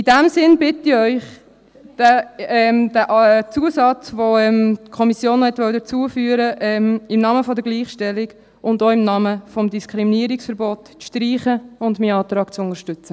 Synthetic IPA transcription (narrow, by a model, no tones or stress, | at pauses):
ɪdæmsɪnbɪtiœʏχ | d̥əɛmdəʔt͡suəsɑt͡sʋoɛmtkʰɔmisjoːnhɛtʋœwdət͡suəfyːəɾəʔɛmɪmnɑːməfɔdəɡliːχʃtɛlɪɡ | ʊndoɪmnɑːməfɔmdiskʰɾiminiəɾɪksfəɾboːt | ʃtɾiːχəʊndmiːɑːt̪ɾɑːkt͡sʊnəɾʃtʏt͡sə